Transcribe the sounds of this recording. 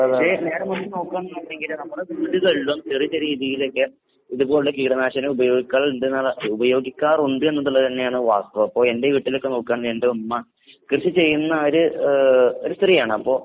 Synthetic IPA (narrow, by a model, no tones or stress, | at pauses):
ɐʂene̞ːɾɐmɐnːɐno̞ːkːaːnːɐɐɳɖeŋɡilnɐmːɐɭeʋiːɽuɣɐɭːumst̪irit͡ɕːɐɾiːðijilo̞kːe | iðubo̞ːɭuɭːlekiːɽɐnaːɕɐnɐubɐjo̞ːɡikʲːaːɭɳɖɨnːaubɐjo̞ːɡikʲːaːruɳɖɨe̞nːɐðuɭːɐðt̪ɐnːe̞jaːɳɨʋaːst̪ɐʋɐɐpːo̞ːɭe̞ndeʋiːʈːilo̞kːeno̞ːkːaːɳɾeːɳɖɨɐmːɐ | krɨɕit͡ɕe̞jːunːɐoɾu | oɾust̪rijaːɳɨɐpːo̞ː